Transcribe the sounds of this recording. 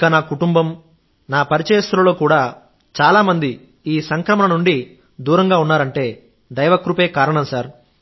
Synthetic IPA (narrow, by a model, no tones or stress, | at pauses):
kɐnaːkuʈumbɐm | naːpɐɾit͡ʃɐjɐst̪ɾɐlo̞ːkuːɽaː | t͡ʃaːlaːmɐnd̪i | iːsɐŋkɾɐmɐnɐnuɳɖi | d̪uːɾɐŋɡaːunːaːɾɐɳʈe̞ː | d̪ɐjʋɐkɾupe̞ːkaːɾɐɳɐmsaːɾ